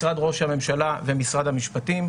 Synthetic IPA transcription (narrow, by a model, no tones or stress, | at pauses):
ʁad̪ʁo̞ʃhame̞mʃalavemisʁad̪hamiʃpat̪im